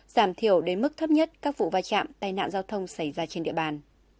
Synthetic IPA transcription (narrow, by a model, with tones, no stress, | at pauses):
z̥aː˧˩mt̪ʰi˧˩əwɗe˨˦nmɨ˦˥k̚t̪ʰə˦˥p̚ɲə˦˥t̚kaː˦˥k̚vṵ˧˨vaː˧jt͡ɕa̰ː˧˨mt̪aː˧jna̰ː˧˨nzaː˧wt̪ʰə˧wŋ͡msa˧˩jzaː˧t͡ɕe˧nɗḭ˧əɓaː˧n